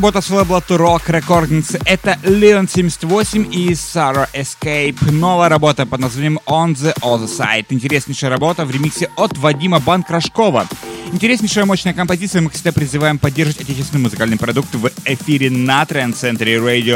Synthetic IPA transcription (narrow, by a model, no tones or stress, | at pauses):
bo̞t̪əsojblˠɐt̪ɨɾokɾɐkorɡnʲɪnt̪sɨʔɛt̪əlʲɪonsʲemʲɪsʲɪ̥t̪ʲvo̞sʲɪmʲisaɾəʔɪskejpnovəjəɾɐbot̪əpəd̪nɐzvanʲɪjəmond̪zɨʔozəsa̰jɪt̪ɨɪnʲtʲɪɾʲesʲnʲɪʂəjəɾɐbo̞t̪əvɾʲɪmʲixsʲəʔot̪vɐdʲiməbankɾɐʂko̞vəɪnʲtʲɪɾʲesʲnʲɪjʂəjəmoɕnəjəkəmpɐzʲit̪sɨjəmɨksʲɪɡ̚d̪apɾʲɪzɨvajɪmpɐdʲːerʐəvətʲɐtʲet͡ɕɪsʲɪnɨəmʊzɨkalʲnɨjəpɾɐd̪uk̚t̪vɪfʲiɾʲɪnɐt̪ɾʲɛnt̪sɛnt̪ɾʲɪɾejdʲɪo